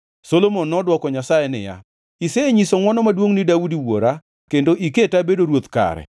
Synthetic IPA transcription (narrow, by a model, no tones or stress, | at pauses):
solomonːɔdwɔkɔɲasajɛnɪ̰ja̰ | iseeɲisoŋwɔnɔmadwoŋnidaudiwoɾa | kendoʔiketabedoɾwot̪ka̰ɾɛ̰